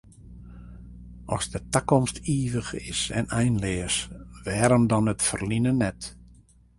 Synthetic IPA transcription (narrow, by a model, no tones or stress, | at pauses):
ʔɔ̰sdətakɔmstʰiːʋəxɪ̰sɛ̰nɛjnlɪːəsʋɛːɾəndɔnətfərlinənɛt